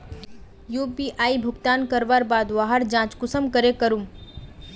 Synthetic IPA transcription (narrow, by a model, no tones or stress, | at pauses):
juːpiːʔaːibʱʊɡt̪aːnkəɾʋaːɾbaːd̪ʋaːɦəɾd͡ʒãːt͡ʃkʊsəmkəɾekəɾum